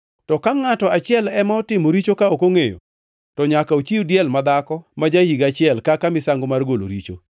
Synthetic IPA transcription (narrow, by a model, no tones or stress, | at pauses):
tɔkaŋatɔat͡ʃɪɛlɛmaɔtɪmoɾit͡ʃokaokoŋejo̰ | tɔɲakaot͡ʃiudjɛlmad̪akɔmad͡ʒahiɡat͡ʃɪɛlkakamɪsaŋɡomarɡolo̰ɾit͡ʃo